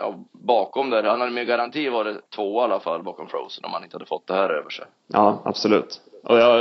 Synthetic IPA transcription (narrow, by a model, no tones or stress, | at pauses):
jɑ̰ːbɑːkɔmd̪æɾhanhad̪əmeɾɡaɾant̪ʰiːvɑɖɛt̪ʰvoːalːafa̰lːbɑːkɔmfɾo̰ʊsənɔ̰mhanɪnəhad̪ə̥fɔt̪̚ːd̪ɛhæːɾø̰ːvəʂɛ̰ | jɑːa̰b̥sɔlʉ̟ːt̪ʔɔjɑ